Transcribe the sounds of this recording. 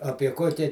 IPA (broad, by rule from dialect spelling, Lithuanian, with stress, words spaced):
ˈɑːpʲiɛ ˈkoːkʲɛ